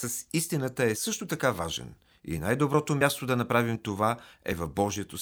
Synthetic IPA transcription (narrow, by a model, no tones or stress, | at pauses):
sɐsist̪inət̪əɛsɤʃt̪ot̪ɐkavaʒɛ̰n | ḭnajd̪obɾɔt̪omʲjast̪od̪ɐnɐpɾavimt̪ovaɛvɐfbɔʒiɛt̪o